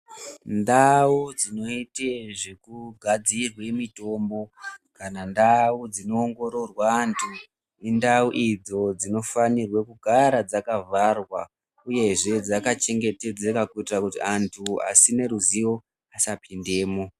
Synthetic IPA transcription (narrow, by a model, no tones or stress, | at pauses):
ndaud͡zino̞iteʐekuɡʱad͡zirwe̞mito̞mbo̞kanandaud͡zino̞ːŋɡo̞ɾo̞rwaːntʰu | indauʔid͡zo̞d͡zino̞fanirwe̞kuɡʱaɾad͡zakavarwa | uje̞ʐe̞d͡zakat͡ʃe̞ŋɡe̞te̞d͡zekakuitirakutiantʰua̰sine̞ɾuziwo̞ | asapʰinde̞ːmo